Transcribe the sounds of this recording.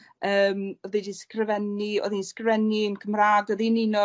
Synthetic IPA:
əːmɔðidiskrɪvɛniɔ̰ðinskrvɛniənkʰəmraːdɔðinɪnɔ

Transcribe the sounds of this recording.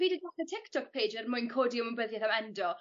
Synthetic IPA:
viːdədaθətʰɪktʰɔk̚pʰejd͡ʒɛrmʊɨnkʰoːdiəməmbəðjɛθamɛndɔ

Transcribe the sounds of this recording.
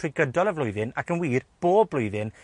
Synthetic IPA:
r̥ʊɡədɔlˠəvlˠʊjðɪnakʰənwiːrb̥oːblˠʊɨðɪn

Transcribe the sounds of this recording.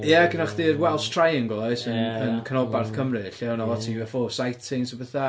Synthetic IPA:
jɛɡənaχdɨːrwɛlˠstʰr̥ajɪŋɡɔlˠɔɨsənənkʰənɔbarθkʰəmrɨɬɪawnɔvˠɔtʰiɛfɔsajtʰɪŋsəbəθa

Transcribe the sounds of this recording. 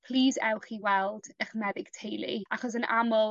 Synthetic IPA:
pʰl̥iːzɛwχiwɛlˠd̥əχmɛðɪɡ̥tʰejlˠḭaχɔs̬ənʔamʊlˠ

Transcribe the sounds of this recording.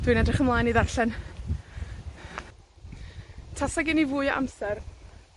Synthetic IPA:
d̥winɛdrɪχəmlˠaːjniðarɬɛn | tʰasaɡɪnivʊːɨɔʔa̰msɛr

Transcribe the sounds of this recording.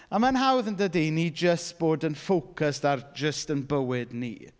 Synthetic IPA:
amanɦawðəndədinid͡ʒəst̚b̥oːdənfowkʰəstard͡ʒəstənbəwɪdnḭː

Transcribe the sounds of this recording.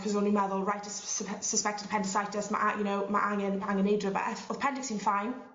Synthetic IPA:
kʰɔzõnliməðəlˠɹajtəssəspɛk̚tɪd̥̚pʰɛntɪsajtəsma̰ʔajənoʊma̰ʔãŋənãŋə̃nedɹəbə̰ʔəɔðpʰɛ̃ndɪksĩːnfãɪ̃n

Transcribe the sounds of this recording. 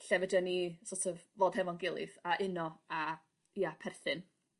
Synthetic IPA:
ɬɛvədanisotʰɔvvoːd̥hɛvɔnɡɪlˠɪ̰θaʔɪnɔa | iapʰɛrθɨn

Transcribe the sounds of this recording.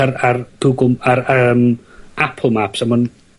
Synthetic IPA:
arard̥uɡʊmaɾəːmʔapʰlˠmapsamɔn

